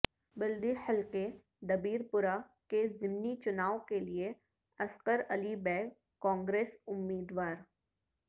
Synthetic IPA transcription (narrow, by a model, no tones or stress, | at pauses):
bɪld̪ihɪlqe | d̪ɐbiːɾpʊɾa | kezɪmnit͡ʃʊnaːʋkelie | ɐsqəɾɐlibɛːɡ | kɔ̃ːŋɡɾeːsʊmːiːd̪ʋaːɾ